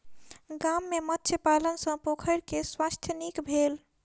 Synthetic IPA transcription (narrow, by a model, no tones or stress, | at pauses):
ɡamːemətːt͡ʃʰepalənsə̃pokʰəɪɾkeswast̪ʰjənikbʱel